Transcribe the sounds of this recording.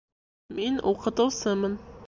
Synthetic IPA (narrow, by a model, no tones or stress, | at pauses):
minuqɤ̆t̪ɤ̆wsɤmɤn